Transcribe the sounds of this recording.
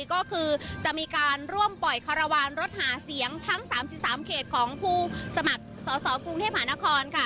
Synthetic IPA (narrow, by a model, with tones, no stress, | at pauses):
kɔː˥˩kʰɯː˧t͡ɕa˨˩ʔmiː˧kaː˧nɾu˥˩əmpɔ˨˩jkʰa˧ɾa˧waː˧nɾo˦˥t̪̚haː˩˦si˩˦əŋt̪ʰa˦˥ŋsaː˩˦msi˨˩p̚saː˩˦mkʰeː˨˩t̪̚kʰɔː˩˦ŋpʰuː˥˩sa˧ma˨˩k̚sɔː˩˦sɔː˩˦ku˧ŋt̪ʰeː˥˩p̚ma˧aː˩˦na˦˥kʰɔː˧nkʰa˥˩